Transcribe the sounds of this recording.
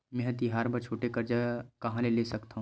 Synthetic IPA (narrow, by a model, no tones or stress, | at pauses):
mɛ̃ɦt̪iɦaːɾbɐɾt͡ʃʰoːʈekɐɾd͡ʒakɐɦãleleːsɐkt̪aɦũ